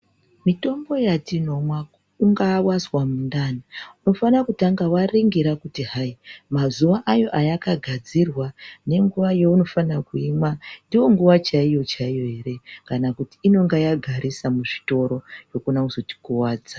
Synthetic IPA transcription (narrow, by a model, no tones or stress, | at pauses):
mito̞mbo̞jatino̞mwa | uŋɡawaswamundaniuno̞fanakutaŋɡawariŋɡiɾakutiɦaimazuʋaʔajo̞ʔajakaɡʱad͡zirwane̞ŋɡuʋaje̞uno̞fanakuimwandiwo̞ŋɡuʋat͡ʃaijo̞t͡ʃaijo̞ɦe̞ɾe̞kanakuti̥ːno̞ŋɡajaɡʱaɾisamuʐito̞ɾo̞jo̞kunauzo̞ti̥kuwaːd͡za